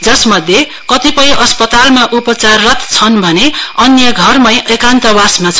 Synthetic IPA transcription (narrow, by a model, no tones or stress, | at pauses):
d͡zʌsmʌd̪ʱje | kʌt̪ipʌ̃j̃ʔʌspʌt̪almaʔupʌt͡sarːʌt̪t͡sʰʌnbʱʌneʌnjʌɡʱʌrmʌj̃ʔekant̪ʌbasmat͡sʰ